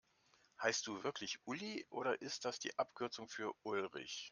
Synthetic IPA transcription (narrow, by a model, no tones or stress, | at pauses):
haɪst̚d̥uːvɪɐklɪçʔʊliʔoːɾɐʔɪst̚d̥asd̥ḭːʔapkʰʏɐt͡sʊŋfyːɐʔʊlʁɪ̰ç